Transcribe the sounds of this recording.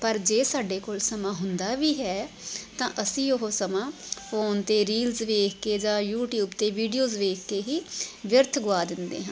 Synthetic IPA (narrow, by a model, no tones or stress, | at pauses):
pəɾd͡ʒeːsaːɖeːkoːlsəmãːɦʊnd̪aːʋiːɦɛːt̪ãːʔəsĩːʊɦoːsəmãːpʰoːnt̪eːɾiːlzʋeːkʰkeːd͡ʒãːjuːʈjuːbt̪eːʋiːɖijoːzʋeːkʰkeːɦiːʋjəɾt̪ʰɡʊaːd̪ɪnd̪ḛːɦãn